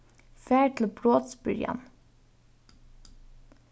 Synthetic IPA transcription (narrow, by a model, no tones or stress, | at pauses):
fæːɹʈʰl̩bɹoːt̪sbʏɾjɑ̰n